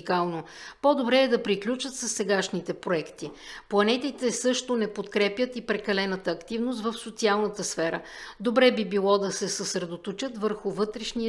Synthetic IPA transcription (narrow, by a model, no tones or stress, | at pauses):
kalˠno | pod̪obɾɛːd̪ɐpɾiklʲut͡ʃət̪sɐsːɛɡaʃnit̪ɛpɾoɛkt̪i | plˠɐnɛt̪it̪ɛsɤʃt̪onɛpot̪kɾɛpjət̪ipɾɛkɐlɛnət̪əːkt̪ivnost̪vəfsot̪sialˠnət̪əsfɛɾə̰d̪obɾɛbibilˠɔd̪ɐsɛsəsɾɛd̪ot̪ot͡ʃət̪vəɾxʊvɤt̪ɾɛʃniə